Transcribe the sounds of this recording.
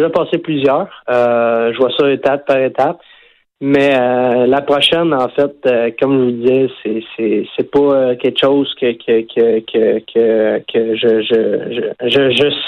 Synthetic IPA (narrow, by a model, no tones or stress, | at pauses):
ʒapɑːseplyzjœːʁøʒəvwasɔet̪ap̚ːaʁet̪ap | mɛølapχɔʃɛnɑ̃fɛt̪økɔmʒəvud̪izɛsɛsɛsɛpɔøkʲɛlkʃozkʲəkʰʲəkʲʰəkʲʰəkʲʰəkʲʰəʒəʒəʒəʒəʒəs